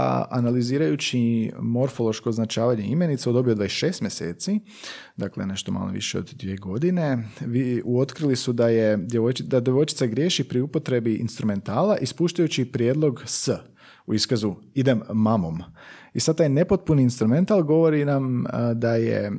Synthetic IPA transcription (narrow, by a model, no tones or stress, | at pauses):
a̰naliziːɾajut͡ɕimo̞ɾfo̞lˠo̞ʃko̞ːznat͡ʃaːʋaɲe̞ime̞nit̪seɛod̪obiod̪ʋaisʃe̞ːst̪mʲje̞se̞̰ːt̪si | d̪aːklene̞ʃt̪o̞ma̰ːlo̰ʋḭʃeo̰d̪d̪ʋieɡo̞d̪ine̞ʋiuo̞t̪kɾilisud̪ajed̪jeʋojd̪ad̪jeʋo̞jt͡ʃit̪saɡɾje̞ːʃipɾiupo̞t̪ɾe̞biʔḭnst̪ɾume̞nt̪aːlaʔispuːʃt̪ajut͡ɕipɾjeːd̪lˠo̞ɡsə | uiskazu | id̪e̞mːamo̞̰m | isad̪̚t̪aːjne̞pot̪̚puniinst̪ɾume̞nt̪alˠɡo̞ʋo̞ɾinamd̪ajḛ